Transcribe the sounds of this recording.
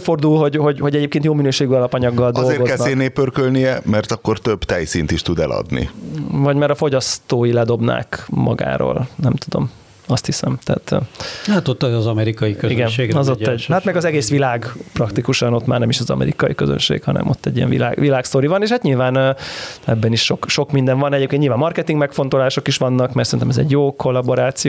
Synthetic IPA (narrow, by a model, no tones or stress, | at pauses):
fo̞rd̪ulɦo̞ɟho̞ɟho̞ɟɛɟeːpkeːnt̪joːminøːʃeːɡyɒlɒpɒɲɒɡːɒld̪ɒolzeːrɡozkɛnːneːpːørkølnijɛmɛrt̪ɒkːo̞rt̪øbt̪ɛjsint̪iʃt̪ud̪ɛlɒ̰d̪nḭvɒɟmaːɾɒfo̞ɟɒst̪oːjilɛd̪o̞bna̰ːkmɒ̰ɡa̰ːɾo̰ːlnɛmt̪ud̪o̞̰m | ɒst̪hisɛmt̪ɛ̰ːt̪ːat̪ot̪ːɒzɒmɛɾikɒjikøiɡɛneɒzoːɛɟhaːt̪mɛɡɒzɛɡeːsʋilaːɡprɒkt̪ikuʃɒno̞t̪ma̰ːrnɛmiʃɒzɒ̰mʔɛ̰ɾikɒjikøzø̰nʃḛːkhɒnɛ̰mʔo̞t̪ːɛɟːijɛ̰ɱvḭla̰ːɡʋilaːkst̪o̞ɾivɒneːʃhaːt̪ɲilvaːn | ɛbːɛniʃʃo̞kʃo̞kmind̪ɛɱvɒnɛɟeːpkenɲilvaːmɒrkɛt̪iŋɡmɛkfo̞nt̪o̞laːʃo̞kiʃʋɒnːɒkmɛrsɛinɛmɛzɛ̰ɟjoːko̞lːɒbo̞ɾaːt̪sijo